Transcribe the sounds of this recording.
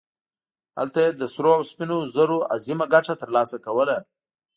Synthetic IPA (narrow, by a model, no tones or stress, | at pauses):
ha̰lt̪ajed̪əsɾoawspinozəɾoa̰zimaɡaʈat̪əɾlɑsakawəla